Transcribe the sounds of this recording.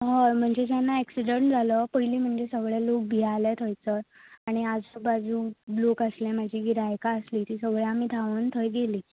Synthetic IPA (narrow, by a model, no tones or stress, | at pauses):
ɦəm̤əɳd͡zet̪janːaɛksiɖəɳʈd͡zʱaləpəɦiliːm̤əɳd͡zesəɡɭjalok̚bʱialat̪ʰəjt͡səaɽ̃iad͡zəbad͡zuːlokaslẽmad͡ʑʱiːɡiɾajkaəsliːt̪iːsəɡɭjaamiːd̪ʱaʋənt̪ʰəjɡeliː